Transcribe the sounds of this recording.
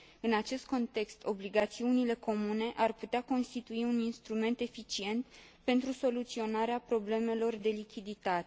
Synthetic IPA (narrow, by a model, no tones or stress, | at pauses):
ɨnat͡ʃe̞st̪̚ko̞nt̪e̞kst̪ʰo̞bliɡat̪siunile̞ko̞mune̞ʔarput̪eako̞nst̪it̪uiuninst̪ɾume̞nt̪e̞fit͡ʃie̞nt̪ | pe̞nt̪ɾuso̞lut̪sio̞naɾeapɾo̞ble̞me̞lo̞rd̪e̞likʲid̪it̪at̪e